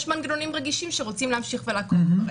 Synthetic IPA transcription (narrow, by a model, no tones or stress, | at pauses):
ʃmanɡenonimʁeɡiʃimʃeʁot͡simleamʃiχvelakov